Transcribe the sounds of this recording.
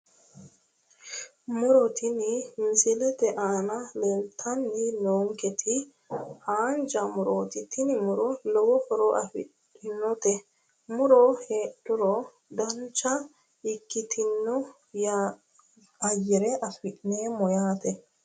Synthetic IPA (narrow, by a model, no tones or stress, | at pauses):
mʊɾɔt̪ʰɪnɪmɪsɪlɛt̪ɛʔaːnɐlɛlt̪ʰɐnːɪnoːŋkɛt̪ʰɪ | haːnd͡ʒɐmʊɾoːt̪ɪt̪ɪnɪmʊɾɔlɔwɔfɔɾɔʔɐfɪɗ | ɪnːɔt̪ɛ | mʊɾoheːɗʊɾɔ | d̪ɐnt͡ʃːɐ | ɪkːɪt̪ʰɪnːɔ | ja | ɐjɪɾɛʔɐfɪʔneːmɔjaːt̪ɛ